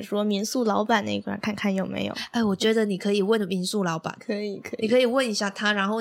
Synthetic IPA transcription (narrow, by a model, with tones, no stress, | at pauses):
ʂwɔ˥mi˧˥nsu˥˩lɑ˧˥ʊpa˨˩nə˥˩i˧˥kʰwa̰˨˩nkʰa˥˧nkʰa˥˩njo˨˩ʊmḛ˧˥ɪjo̰˨˩˦e˥˩ɪwɔ˨˩t͡ɕɥɛ˧˥d̪ə˧ni˨˩kʰɤ˧˥i˨˩wə˥˩nmi˧˥nsu˥˩lɑ˧˥ʊpa̰˨˩˦nkʰɤ˧˥i˨˩kʰi˨kʰɤ˧˥i˨˩wə˥˩ni˧˥ɕja˥˩t̪ʰa˥ɻa˧˥nxo˥˧ʊ